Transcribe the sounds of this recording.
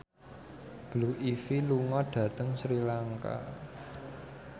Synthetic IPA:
b̥luʔifiluŋɔɖ̥ä̤t̪əŋsɾilaŋka̰

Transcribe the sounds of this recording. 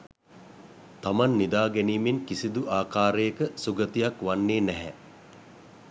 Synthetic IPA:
t̪amanːid̪aːɡɛniːmenkisid̪uʔaːkaːɾejəkəsuɡət̪ijakʋanːeːnɛɦɛ

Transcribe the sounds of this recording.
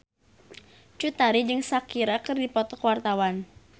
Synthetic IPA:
t͡ʃut̪aɾid͡ʒɨŋsakiɾakɨrdipɔt̪ɔkwart̪awan

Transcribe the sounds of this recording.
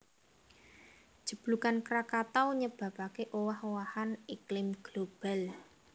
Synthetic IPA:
d̥ʒ̥ə̤b̥lukankɾakat̪awɲəb̥ä̤pakeʔowahowahaniklɪmɡ̥lob̥a̤l

